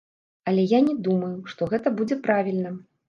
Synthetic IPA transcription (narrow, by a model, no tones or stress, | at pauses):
ɐlʲɛjanʲɛd̪umɐjuʂt̪ɔɣɛt̪ɐbud͡zʲɛpɾavʲilʲnɐ